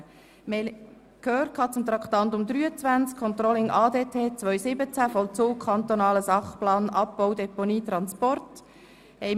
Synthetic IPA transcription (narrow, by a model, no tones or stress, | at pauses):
mɛl | kʰøːrtkhɑt͡sʊmt̪ɾɑkt̪ɑnt̪ʊmd̪ɾyːət͡sʋænt͡skʰːɔnt̪ɾɔlɪŋʔɑːdeːtʰeːt͡svœʏsɪbət͡sæfɔlt͡soːk̚kʰːɑnt̪onɑːləsɑχplɑːnɑp̚ːɔʊd̪ɛponiːt̪ɾɑnspɔrt | ɛɪ